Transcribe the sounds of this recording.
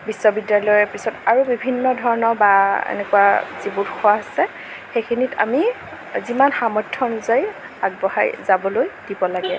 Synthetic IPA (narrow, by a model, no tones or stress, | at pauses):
bisːɔbidjalɔjɔpisɔtaɹubibʱinːɔdʱɔɹɔnɔbaḛnɛkuwazibutkʰɔwaɦasɛ | xejkʰinita̰mi | zimanxamɔtʰːɔnuzaj | aɡ̚bɔha̰jzabɔlojd̥ibɔlaɡɛ